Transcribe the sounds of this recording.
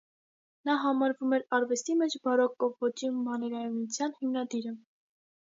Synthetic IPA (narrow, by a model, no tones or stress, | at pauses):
nɑɦɑmɑɾvumɛɾɑɾvɛst̪imɛt͡ʃʰbɑɾɔkːɔvːɔt͡ʃimɑnɛɾɑjunut͡sʰjɑnhimnɑd̪iɾə